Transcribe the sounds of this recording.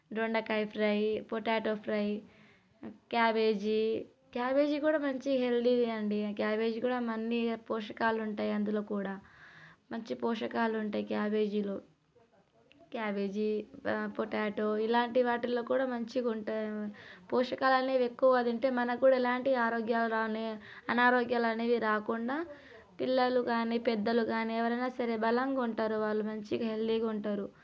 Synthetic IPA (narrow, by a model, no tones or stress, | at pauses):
ɖoɳɖɐkɐjpʰɾɐjpoʈaːʈoːpʰɾɐj | kjaːbe̞ːd͡ʒi | kjaːbe̞ːd͡ʒikuːɽaːmɐɲt͡ʃiɦelɖid̪iɐɳɖikjaːbe̞ːd͡ʒikuːɽaːmɐnːipɔːʂɐkaːluɳʈaːjɐnd̪uloːkuːɽaːmɐɲt͡ʃipɔːʂɐkaːluuɳʈaːjikjaːbe̞ːd͡ʒilu | kjaːbe̞ːd͡ʒipoʈaːʈoilaːɳʈiʋaːʈilːo̞ːkuːɽaːmɐɲt͡ʃiuɳʈapɔːʂɐkaːlɐneːʋekːuʋɐd̪ɐɳʈe̞ːmɐnɐkuːɽaːilaːɳʈiaːɾoːɡjaːluɾaːne | ɐnaːɾoːɡjaːlɐneːʋiɾaːkuɳɖaː | pilːɐluɡaːniːpɛd̪ːɐluɡaːniːɛʋɐɾɐjnaːsɐɾeːbɐlɐŋɡauɳʈaːɾuʋaːɭːumɐɲt͡ʃiɡɐɦelːiːɡɐuɳʈaːɾu